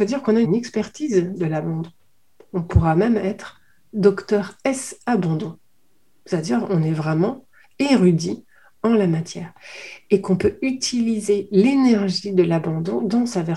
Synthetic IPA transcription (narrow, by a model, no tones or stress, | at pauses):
fod̪iʁkɔ̃naynɛkspɛʁt̪izd̪əlabɑ̃d̪ɔ̃ | ɔ̃puʁamɛmɛt̪χ | d̪ɔkt̪œʁɛsabɑ̃d̪ɔ̃ | sad̪iʁɔ̃nɛvʁɛmɑ̃ | eʁyd̪i | ɑ̃lamat̪jɛːʁekɔ̃pøyt̪ʰilizelenɛʁʒid̪əlabɑ̃d̪ɔ̃d̪ɑ̃savɛ